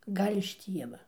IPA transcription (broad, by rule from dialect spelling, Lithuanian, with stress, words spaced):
ˈɡɐlʲ ɪʃ ˈtʲiɛʋɐ